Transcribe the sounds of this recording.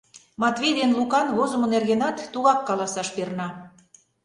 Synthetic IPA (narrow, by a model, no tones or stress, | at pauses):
mɑt̪βʲejd̪enlukɑnβozŏmŏnerɣenɑt̪ːuɣɑkːɑlɑsɑʃpernɑ